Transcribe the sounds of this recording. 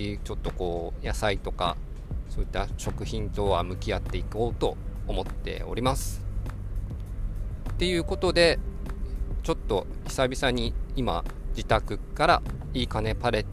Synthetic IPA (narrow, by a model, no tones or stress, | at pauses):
it͡ɕo̞t̪ːo̞ko̞ːjasait̪o̞ka̰ | so̞ːit̪ːaɕo̞kɯ̟çĩnt̪o̞βamɯ̟kʲiat̪ːe̞iko̞ːt̪o̞ːmo̞t̪ːe̞̰o̞̰ɾʲimasɨ̥ | t̪e̞jɯ̟ːko̞t̪o̞d̪e̞ | t͡ɕo̞t̪ːo̞i̥sabʲisaɲ̟iima̰d͡ʑit̪akɯ̟kaɾa | iːkane̞paɾe̞